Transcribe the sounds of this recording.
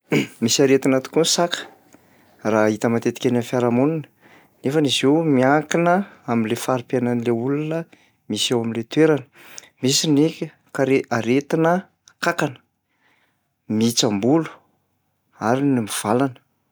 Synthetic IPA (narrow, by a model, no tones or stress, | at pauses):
misaɾet̪inat̪u̥kʲunsakə̥ | rait̪əmat̪et̪i̥kʲanafaɾamuninə̥ | nefənizewmiakinəaminlefaɾipananileulunə | misawaminlet̪weɾanə̥ | misinekʲə | kaɾeaɾet̪inə | kakanə̥ | miit͡sambulu̥ | aɾinimiv̥alanə̥